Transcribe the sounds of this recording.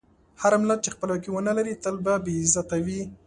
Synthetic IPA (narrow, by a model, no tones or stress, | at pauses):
haɾamɪlat̪̚t͡ʃexpəlwakiwənəlaɾit̪əlbabezat̪awi